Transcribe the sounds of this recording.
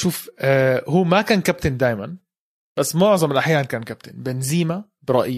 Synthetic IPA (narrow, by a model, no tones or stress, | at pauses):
ʃuːfʔːhuːmækæːnkæp̚t̪ɪnd̪æːjmæn | b̥æsːmoʕzˤɑmelʔaħjæːnnkæːnkæp̚t̪ɪnbenziːmæ | bɾˤɑʔj